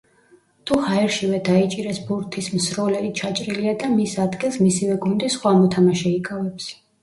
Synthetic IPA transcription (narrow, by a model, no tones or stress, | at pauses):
t̪ʰuhaɛɾʃivɛd̪ait͡ʃʼiɾɛsbuɾt̪ʰismsɾɔlɛit͡ʃʰat͡ʃʼɾiliad̪amisad̪ɡilˠsmisivɛɡund̪isχwamɔt̪ʰamaʃɛikʼavɛps